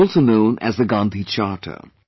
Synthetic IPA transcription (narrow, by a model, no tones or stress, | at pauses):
lˠsonõʊ̃nʔæ̰zðəɡɑ̃nt̪ʰit͡ʃɑːʈʰə̰